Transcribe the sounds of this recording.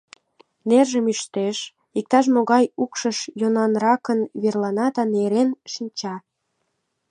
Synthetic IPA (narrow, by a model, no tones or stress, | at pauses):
nerʒəmyʃt̪eʃ | ik̚t̪ɑʃ̬moɣɑjukʃəʃjonɑnrɑkənβerlɑnɑd̪ɑneɾenʃinʲt͡ɕɑ